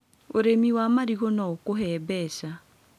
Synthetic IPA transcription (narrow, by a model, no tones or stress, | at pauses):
oɾemiwamaɾiɣonaokoɦɛːbɛsa